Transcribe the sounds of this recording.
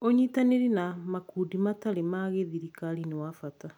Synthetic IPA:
oɲitaneɾinamakuːdimataɾemaɣeðiɾikaɾinewafata

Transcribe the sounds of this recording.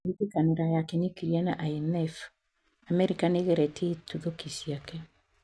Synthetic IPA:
itekaneɾajakenikiɾianaʔainɛf | amɛɾikaneɣɛɾɛtetuðokisiakɛ

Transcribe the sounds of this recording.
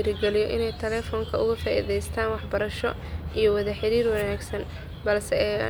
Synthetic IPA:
ɾɡɛlijɔʔɪ̰nɛjt̪ʰɛlɛːfɔːŋkʰɐʊɣʊfaːʔḭðɛjst̪ʰaːnwɑħbɐɾɐʃɔ̰ | ʔijɞwɐðɐħɪɾiːrwɐnaːɡsɐn | bɐlsɛ

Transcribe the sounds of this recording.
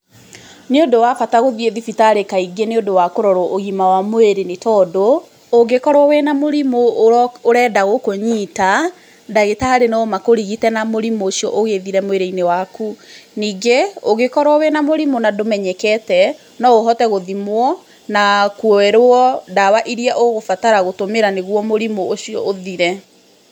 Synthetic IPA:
neondowafataɣoðieðifitaɾekaiɡeneondowakoɾɔɾɔʔoɣimawamweɾenetɔdoː | ɡekɔɾwɔwɛnamoɾimooɾɛdaɣokoɲiːta | daɣetaaɾenɔmakoɾiɣitɛnamoɾimoːsiɔʔoɣeðiɾɛmoeɾeinewakuniːɡeoɣekɔɾwɔwɛnamoɾimonadomɛɲɛkɛtɛ | nɔɣoɦɔtɛɣoðimwɔ | nakwɔɛɾoɔdawaʔiɾiɛʔoɣofataɾaɣotomeɾaneɣwɔmoɾimooɕiɔ̰ʔoðiɾɛ

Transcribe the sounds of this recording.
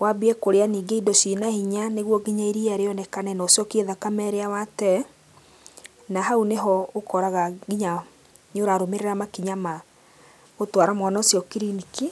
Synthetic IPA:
wabiɛkoɾeaniːɡeidɔsinahiɲaneɣwɔɡiɲaiɾiaɾeɔnɛkanɛnaosjɔkeðakamɛɾeawatɛ | naɦauneɦɔokɔɾaɣaɡiɲa | ɲoɾaɾomeɾeɾamakiɲama | otwaɾamɔnaosjɔkiɾinike

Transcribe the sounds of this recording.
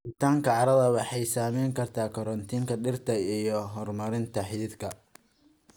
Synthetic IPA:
ɪt̪ʰaːŋkʰɐʕɑɾɐðɐwɑħɑjsaːmɛjŋkʰɐrt̪ʰaːkʰɔɾɔnt̪ʰiːŋkʰɐɖɪrt̪ʰɐijɔɦɔrmɐɾɪnt̪ʰɐħɪðɪd̪kʰɐ

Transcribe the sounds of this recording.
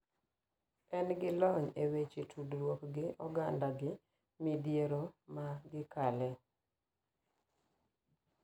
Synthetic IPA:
ɛnɡɪlɔɲewet͡ʃetʰudɾwokɡɪʔɔɡandaɡɪ | midjeɾomaɡɪkalɛ

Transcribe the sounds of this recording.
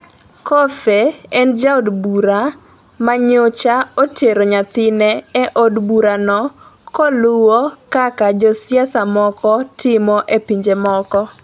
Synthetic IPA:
kɔfeɛnd͡ʒaodbuɾa | maɲot͡ʃaotʰeɾoɲat̪ɪnɛɛʔodbuɾanɔkkɔlʊwokakad͡ʒɔsjasamɔkɔtɪmɔʔepiɲd͡ʒemɔkɔ

